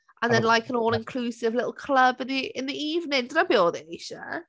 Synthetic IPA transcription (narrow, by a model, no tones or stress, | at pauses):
ʔə̃nðɛ̃nlˠajkʰənoːlˠɪ̃nkʰl̥uːsɪvlɪtl̩ˠkʰl̥əbɪnðiʔɪ̃nðiiːvnɪdrəbɪoːðɪiʃə̰